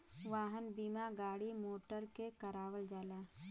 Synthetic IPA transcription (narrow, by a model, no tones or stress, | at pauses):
ʋaːɦənbiːmaɡaːɽimoːʈəɾkekəɾaːʋəld͡ʒaːlaː